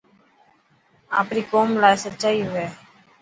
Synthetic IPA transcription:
aːpɾiːkoːmlaːjsət͡ʃaːiːʋeː

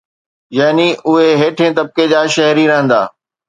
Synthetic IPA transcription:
jaːniʊɦeɦeːʈʰẽːt̪ɐb̚ked͡ʑaːʃɐɦɾiɾɐɦə̃nd̪a̰ː

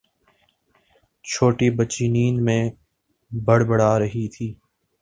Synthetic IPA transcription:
t͡ʃʰoːʈibət͡ʃinĩːnd̪mẽː | bəɽbəɽaːɾɐɦit̪ʰiː

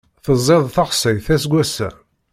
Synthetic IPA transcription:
θəzˤːeðˤθəχsəθæsɡʷæsæ̰

